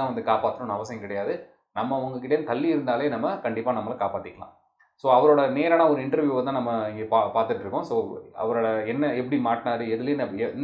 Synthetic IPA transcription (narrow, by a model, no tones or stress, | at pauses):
ãːʋɐnd̪ɯkaːpaːt̪ːɯɾʊ̃nɐɐʋɐsɐjɐ̃kɪɽɐjaːðɯ | nɐmːɐʊŋɡɐkɪʈ̬ːɐjnt̪ɐlːiɪɾɯnd̪aːleːnɐmːɐkɐɳɖɪpːaːnɐmːɐlɐkaːpaːt̪ːɪkːɐlã̰ː | soːɐʋɐɾoːɽɐneːɾaːnaːɔɾɯɪɳʈɐɾʋjuːʋɐnãːnɐmːɐɪɡpapaːɾt̪ɯʈːɾɯkːʊ̃soːɐ̰ʋɐɾoːɽɐɛnːɐɛpːɐɽimaːʈɪnaːɾɯɛðɯlenɐɛn